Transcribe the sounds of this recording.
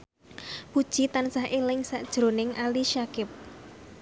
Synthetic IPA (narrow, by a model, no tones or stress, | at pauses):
pud̥ʒ̥i̤t̪ansahʔelɪŋsaʔd̥ʒ̥ɾonɪŋʔaliʃakɪp̚